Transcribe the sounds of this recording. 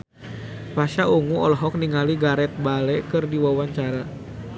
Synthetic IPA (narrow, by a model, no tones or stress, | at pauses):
paʃauŋuɔlɔɦɔk̚niŋaliɡaɾɛt̪̚balɛkɨrdiwawaɲt͡ʃaɾa